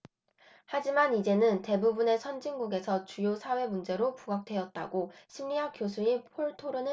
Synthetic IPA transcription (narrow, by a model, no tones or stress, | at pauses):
had͡ʑimanid͡ʑe̞nɯnte̞bubune̞sʰʌnd͡ʑiŋɡuɡe̞sʰʌt͡ɕujosʰawe̞mund͡ʑe̞ɾopuɡak̚t͈ʰwe̞ʌt̚t͈a̰ɡoɕʰimʎiɦak͈josʰuipʰoɭtʰoɾɯnɯ